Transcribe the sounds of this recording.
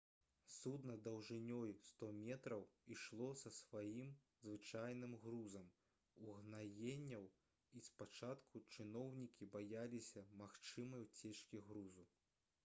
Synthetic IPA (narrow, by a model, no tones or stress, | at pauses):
sud̪nɐd̪ɐwʐɨnʲɔjust̪ɔmʲɛt̪ɾɐwiʂlˠɔsɐsvajim | zvɨt͡ʂajnɨmɣɾuzɐm | uɣnajenʲːɐw | ispat͡ʂat̪kʰut͡ʂɨnɔwnʲikʲibajalʲisʲɐmaxt͡ʂɨmɐjwt͡sʲɛt͡ʂkʲiɣɾuzu